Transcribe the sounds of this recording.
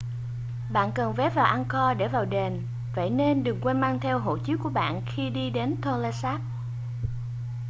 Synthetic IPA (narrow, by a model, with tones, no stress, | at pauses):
ɓa̰ː˧˨nkə˨˩nvɛ˨˦˥vaː˨˩wʔa˧nkɔ˧ɗe˧˩vaː˨˩wɗe˨˩n | və̰˧˨jne˧nɗɨ˨˩əŋkwɛ˧nmaː˧ŋt̪ʰɛ˧wɦo̰˧˨t͡ɕɨ˦˥ku˧˩əɓa̰ː˧˨nxi˧ɗi˧ɗe˨˦nt̪ʰo˧la˧saː˦˥p̚